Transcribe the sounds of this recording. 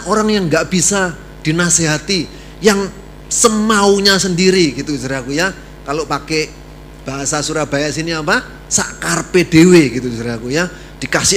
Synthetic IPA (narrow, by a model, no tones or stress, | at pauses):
oɾaŋjaŋɡaʔb̥isa | d̥i̤naseɦat̪i | jaŋ | səmauɲasəndiɾiɡ̥it̪uisɾakuja | kalopake | b̥a̤ɦasasuɾab̥ajaʔsiniapa | saʔkarped̥eweɡit̪uisɾakuja | d̥i̤kasɪ